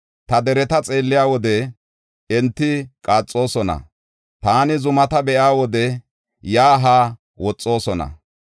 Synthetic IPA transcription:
t̪ɐd̪ɛɾɛt̪ɐt͡sʼe̞ːlːɪjaːwɔd̪ɛ | ɛnt̪ːɪkʼaːt͡sʼːo̞ːsɔnɐ̰ | t̪aːnɪzʊmɐt̪ɐbɛʔaːwɔd̪ɛ | jaːɦaː | wɔt͡sʼːo̞ːsɔnɐ̰

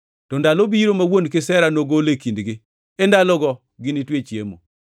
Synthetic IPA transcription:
tɔndalobiɾomawonkɪsɛɾanoɡolekindɡɪ | endalɔɡɔ | ɡɪnitwet͡ʃjḛmo̰

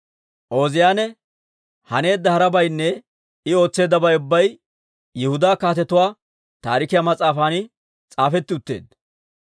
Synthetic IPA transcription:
ʔo̞ːzɪjaːnɛ | hɐne̞ːd̪ːɐhɐɾɐbɐjnːɛ | ɪo̞ːt͡sːe̞ːd̪ɐbɐjʊbːɐj | jɛhʊd̪aːkaːt̪ɛt̪ʊwaː | t̪a̰ːɾɪkɪjamɐt͡sʼaːfaːnɪ | t͡sʼaːfɛt̪ːɪʊt̪ːe̞̰ːd̪

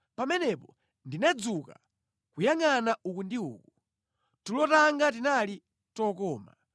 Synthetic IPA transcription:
pamɛnɛpɔ | ndinad͡zuka̰ | kujaŋanaukundiṵːku | tulɔtaŋɡat̬inali | tɔkɔːma̰

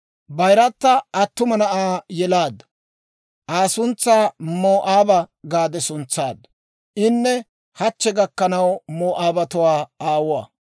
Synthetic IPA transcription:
bɐjɾɐt̪ːɐʔːt̪ːʊmɐnɐʔaːjɛlaːd̪ | ʔaːsʊnt͡sːaːmoːʔaːbɐɡaːd̪ɛsʊnt͡sːaːd̪ | ʔɪnːɛ | hɐt͡ʃːɛɡɐkːɐnɐwmoːʔaːbɐt̪ʊwaːaːwʊwa̰ː

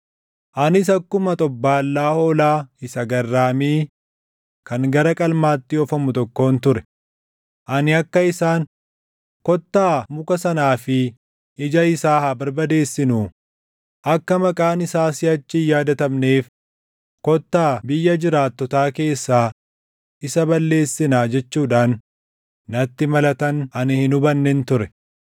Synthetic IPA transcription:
ʔɐnɪs̬ɐkːʊmɐt̪ʼɔbːaːlːaːhɔːlaːɪsɐɡɐrːaːmiː | kɐŋɡɐɾɐkʼɐlmaːt̪ːɪɔfɐmʊt̪ɔkːo̞ːnt̪ʊɾɛ | ʔɐnɪɐkːɐɪsaːŋ | kɔt̪ːaːmʊkɐsɐnaːfɪ | ɪd͡ʒɐɪsaːhɐbɐɾbɐd̪e̞ːsːɪnuː | ʔɐkːɐmɐkʼaːnɪsaːsɪɐt͡ʃːɪjaːd̪ɐt̪ɐmne̞ːf | kɔt̪ːaːbɪjːɐd͡ʒɪɾaːt̪ːɔt̪aːke̞ːsːaː | ʔɪsɐbɐlːe̞ːsːɪnaːd͡ʒɛt͡ʃːuːᶑaːnː | ɐt̪ːɪmɐlɐt̪ɐnʔɐnɪhɪnʊbɐnːɛnt̪ʊɾɛ

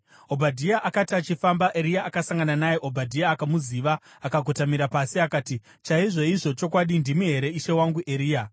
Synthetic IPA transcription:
o̞bʱadʱiaʔakatiat͡ʃifambaʔe̞ɾijaakasaŋɡananajeʔobʱadʱijaːkamuziʋaː | kaɡʱotamiɾapasiakaːti | t͡ʃaiʐo̞iʐo̞t͡ʃo̞kwaɗindimuɦe̞ɾe̞iʃe̞waŋɡuʔe̞ɾiːja

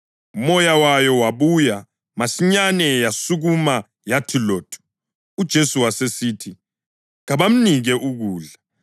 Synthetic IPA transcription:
umɔjawajɔwaβuja | masiɲanɛjasuɣuma | jatʰiloːtʰʼu̥ | ud̥ʒ̥ʱesuwasesiːtʰi | ɣaβam̩niɣɛʔuɣuːɮa

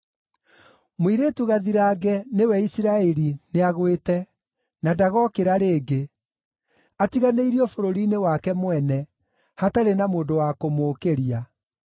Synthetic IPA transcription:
moiɾetuɣaðiɾaːɡɛnewɛisiɾaɛɾineaɣwetɛ | nadaɣɔkeɾaɾeːɡe | atiɣaneiɾiɔfoɾoɾinewakɛmwɛnɛ | hataɾenamoːndowakomoːkeɾia

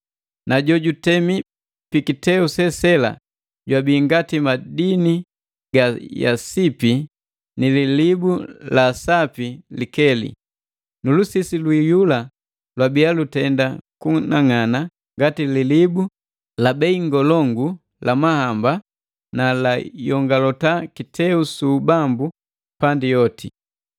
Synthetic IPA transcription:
naɟɔɟutɛmi | pikitɛusɛsɛla̰ | ɟwabiːŋɡatimadini | ɡaja̰sipi | nililibulasapilikɛlḭ | nulusisilwijula | lwabialutɛndakunaŋana | ŋɡatililibu | labɛiŋɡɔlɔŋɡu | lamahamba | nalajɔŋɡalɔtakitʰɛusuːbambu | pandijɔti

